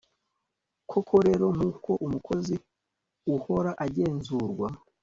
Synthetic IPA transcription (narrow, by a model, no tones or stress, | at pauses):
kʰo̞kʰo̞ɾe̞ɾo̞mukʰo̞ʔumukʰo̞zi | uho̞ɾaʔaɟe̞ːnzuɾɡwa